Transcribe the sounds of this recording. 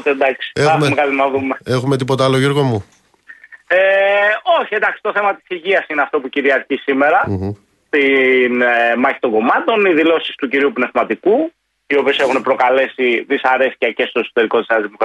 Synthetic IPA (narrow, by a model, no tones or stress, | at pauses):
t̪end̪ɐksi̥ɐmekɐlinɐðumeexumet̪̬ipo̞t̪ɐɐloʝeɾɣomu | eo̞çiend̪ɐksi̥t̪o̞θe̞mɐt̪i̥siʝiɐsineɐft̪o̞puciɾiɐɾçisime̞ɾɐ | t̪inmɐçi̥t̪o̞ŋɡo̞mɐt̪o̞niðilo̞sist̪uciɾiupne̞vmɐt̪iku | io̞pie̞se̞xunepɾo̞kɐle̞siðisɐɾe̞si̥cɐce̞st̪o̞e̞so̞̥t̪e̞ɾiko̞t̪iseɐzðimokɾ